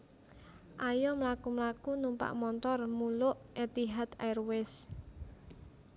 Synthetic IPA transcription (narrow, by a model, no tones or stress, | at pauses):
ʔajɔmlakumlakunumpa̰ʔmɔnt̪ɔrmulʊʔɛt̪iɦat̪a̰jrwɪs